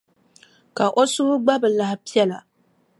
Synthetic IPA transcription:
ka˨ʔo˦sʊ˦hʊ˦ɡ͡ba˦bɨ˨la˨hpi˦ɛ˦la˨

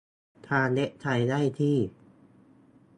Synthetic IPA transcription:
t̪ʰaː˧le˦˥ʔ̚t͡ɕ̪ʰa˧jdaː˥˩jt̪ʰiː˥˩

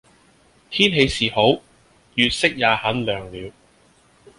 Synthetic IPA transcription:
t̪ʰiː˥nɦe˨˧jsiː˨˩ho˨˥w | jyː˨t̚sɪ˥k̚jaː˨˧hɐ˨˥nlœː˨˩ŋliː˨˧w

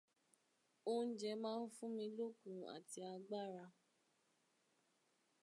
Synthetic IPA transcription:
o˦n̩˦d͡ʒɛ˧mãː˦˧n̩˦fũ˦mĩ˧lo˦kũ˧a̰˨ti˧a˧ɡ͡ba˦ɾa˧

